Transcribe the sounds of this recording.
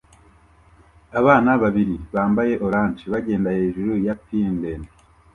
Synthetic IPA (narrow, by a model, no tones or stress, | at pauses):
aβaːnaβaβiɾiβaːmbaje̞ʔo̞ɾaːnt͡ʃiβaɟe̞ːndaheːʒuɾujapindene